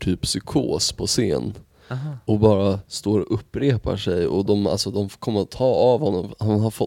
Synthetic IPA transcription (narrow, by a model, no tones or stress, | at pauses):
ʈʰyːpsʏkʰo̰ːspʰɔsḛːn | ɔbɑːɾast̪oːɾɔʔɵpːɾeːpa̰ʂɛjɔd̪ɔma̰lsɔd̪ɔmfkʰɔmːəɾɔt̪ʰːɑːavhɔnːɔmhanɦaɾfɔ